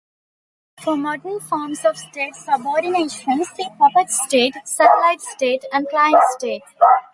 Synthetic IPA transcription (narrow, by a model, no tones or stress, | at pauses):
fɔmɔːɖəɾnfɔːɾmsɔʋsʈeːʈsəbɔːɾɖineːʃə̃nsd̪iːpʌpəɾʈsʈeːʈsɛʈlaɪʈsʈeːʈæ̃ɳɖklaɪə̃ɳʈsʈeːʈ